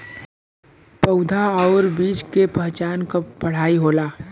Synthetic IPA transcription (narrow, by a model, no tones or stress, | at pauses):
pɐd̪ʱaɔːɾbiːt͡ʃkepɛɦt͡ʃaːnkapɐɽ̤aːiɦoːlaː